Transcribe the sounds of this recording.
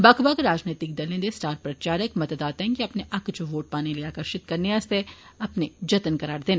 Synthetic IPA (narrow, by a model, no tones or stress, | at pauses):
bɐkbɐɡɾaːd͡ʒneːt̪ɪkd̪ɐlẽnd̪esʈaːɾpɾɐt͡ʃaːɾəkmɐt̪d̪aːt̪ːŋkiɐpneʔɐkd͡ʒoʋoːʈ̚paːneleaːkəɾʃɪt̪̚kɐɾneɐst̪eɐpned͡ʒɐt̪nkɐɾaːɾd̪eːne